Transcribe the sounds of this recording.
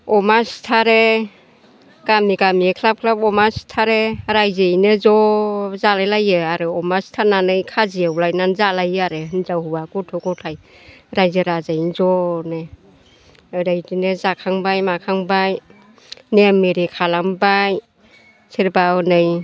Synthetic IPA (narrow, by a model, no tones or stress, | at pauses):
ɔmastʰaɾe | ɡ̥amiɡamikʰlap̚kʰlapɔmastʰaɾeɾajzejnɯzɔzalajlajɯaɾɯɔmastʰananɯjkʰaziawlajnanzalajɯaɾɯɦɯnzawhuwakɔtʰɔɡɔtʰaj | ɾajzɯɾazajnzɔnɯ | ɾajdinɯzakʰaŋbajmakʰaŋbaj | nemiɾikʰalambaj | sʰeɾbanɯj